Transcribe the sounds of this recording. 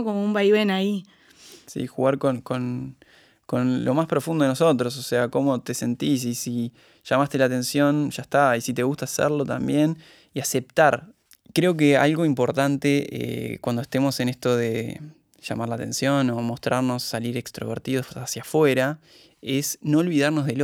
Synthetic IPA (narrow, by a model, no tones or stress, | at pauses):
komoumbajβenai | sḭxuɣaɾko̞nko̞n | ko̞nlʔo̞maspɾo̞fund̪oenoso̞t̪ɾo̞s̬ose̞ako̞mo̞t̪e̞se̞nt̪is̬isi | ʃamast̪elat̪e̞nsjo̞nʒaest̪aisit̪e̞ɣust̪asḛɾlo̞t̪a̰mbje̞n | iase̞p̚t̪aɾ | kɾe̞o̞k̬e̞a̰lɣo̞impo̞ɾt̪ant̪e̞ḛkwand̪oeht̪emo̞se̞ne̞st̪o̞ðe̞̰ | ʃa̰maɾlat̪e̞̰nsjo̞no̞mo̞st̪ɾʔaɾno̞sːaliɾe̞kst̪ɾo̞β̞ḛɾt̪iðoasjafwe̞ɾa | esno̞ːlβiðaɾno̞zðel